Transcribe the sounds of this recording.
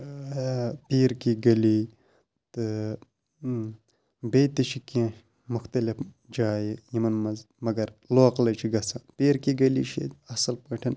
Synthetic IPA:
piːɾkiɡɐli | t̪ɨ | beːt̪it͡ʃʰikijã | mʊxt̪ɐlif | d͡ʒaːjijimɐnmɐz | mɐɡɐɾloːqlɐt͡ʃʰiɡɐsaːnpiːɾkiɡɐlḭʃʰḭɐsɐlpɐʈʰɐn

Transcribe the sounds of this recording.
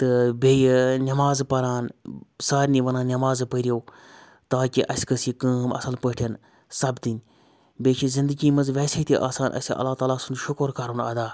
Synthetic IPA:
t̪ɨbeːjnʲɐmaːzpɐɾaːnsaːɾniʋɐnaːnɐmaːzpəɾijoː | t̪aːkiʔɐsʲkɐsikəːɦmɐ̰sɐlpəːʈʰɐn | sɐbt̪inʲ | beːt͡ʃʰizɪnd̪əɡiːmɐzʋɛːset̪iʔa̰ːsaːnʔɐ̰sʲʔɐ̰lːaːt̪aːlaːsunʃʊkoɾkaɾunɐ̰d̪aː

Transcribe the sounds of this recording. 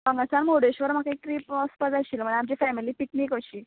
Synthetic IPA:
paŋɡasanmoɽeɕʋəɾm̤akaik̚ʈ̪ɾiːpɔspəd͡zaɕiːlm̤əɳeamt͡ɕifɛmiliːpikniːkʋəɕiː

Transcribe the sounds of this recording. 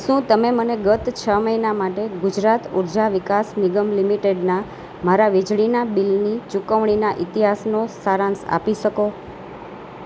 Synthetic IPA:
ʃũt̪əmeməneɡət̪t͡ʃʰəməinamaʈeɡud͡ʒɾat̪uɾd͡ʒaʋikasniɡəmlimiʈeɖna | maɾaʋid͡ʒɭinabilnit͡ʃukəʋɳ̃inaʔit̪iɦasnosaɾãnsa̰piʃəko

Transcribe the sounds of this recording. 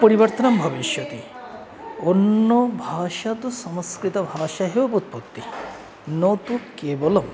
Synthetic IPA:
pɔɾibɐɾt̪ɐnɐmbʱɐbiʃjɔt̪i | onːobʱaːʃat̪usɐmɐskɾit̪ɐbʱaːʃaɦeʋɐput̪̚pokt̪ːi | not̪ukeːbolɔm

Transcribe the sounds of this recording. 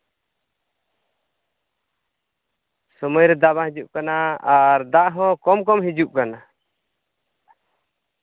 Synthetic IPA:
sɔmɔjɾɛd̪aβãɦid͡ʒuʔkanaaɾd̪aʔɦɔ̃kɔmkɔmɦid͡ʒuʔkana

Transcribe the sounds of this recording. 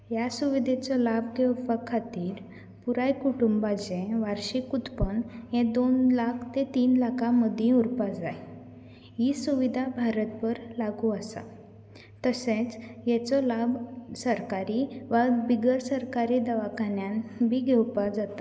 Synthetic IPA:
jasuʋid̪ʱet͡sɔlabɡʱewpakʰat̪iːɾ | puɾajkuʈumbad͡zẽʋaɾɕikut̪pənɦẽd̪onlakʰt̪et̪iːnlakʰãməd̪ʱĩuɾpad͡zaj | ɦisuʋid̪ʱabʱaɾət̪pəɾlaɡuəsa̰ | t̪əsẽt͡sjɛt͡sɔlabsəɾkaɾiʋabiɡəɾsəɾkaɾiːd̪aʋakanjanbʱiːɡʱewpad͡zat̪a

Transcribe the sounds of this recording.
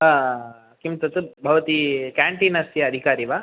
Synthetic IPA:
ɦã | kimt̪ɐt̪ɨbʱɐʋɐt̪ikaːɳʈinɐsjɐɐd̪ʱikaːɾiʋaː

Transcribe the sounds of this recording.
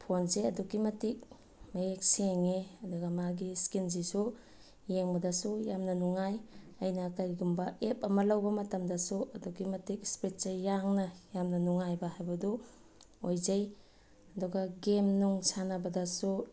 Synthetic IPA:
pʰonzeɐdukimɐtik̚ | mɐjek̚seŋeɐduɡɐmaɡiskinzisu | jeŋbɐdɐsujamnɐnuŋajɐjnɐkɐɾiɡumbɐep̚ɐmɐlɐwbɐmɐtɐmdɐsuɐdukimɐtik̚spɾet̚t͡ʃajaŋnɐjamnɐnuŋajbɐɦajbɐdɔ | ojzaj | ɐduɡɐɡemnuŋsanabɐdasu

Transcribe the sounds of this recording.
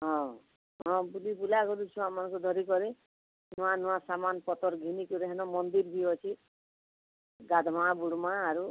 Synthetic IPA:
ɦɔ̃ | ɦɔ̃bulibulakɔɾut͡ʃʰũamanɔŋkud̪ʱɔɾikɔɾi | nuwanuwasamanpɔt̪ɔɾɡʱinikuɾeɦanɔmɔnd̪iɾbʱiɔt͡ʃʰi | ɡad̪ʱmabuɽmaːɾu

